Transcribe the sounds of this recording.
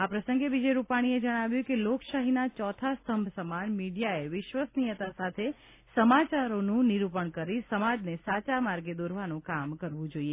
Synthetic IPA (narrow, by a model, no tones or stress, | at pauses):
apɾəsə̃ŋɡeʋid͡ʒejɾupaɽ̃ied͡ʒəɽ̃aʋjũkelokʃaɦinat͡ʃɔt̪ʰast̪ʰəmbʱsəmanmiɽijaeʋɪʃʋəsnijət̪asat̪ʰe | səmat͡ʃaɾonũniɾupəɳkəɾisəmad͡ʒnesat͡ʃamaɾɡed̪oɾʋanũkamkəɾʋũd͡ʒoie